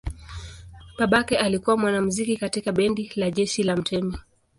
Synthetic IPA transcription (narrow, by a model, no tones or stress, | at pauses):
ɓaɓakɛalikuwamwanam̩zikikatikaɓɛndilaʄɛʃilam̩tʰɛmi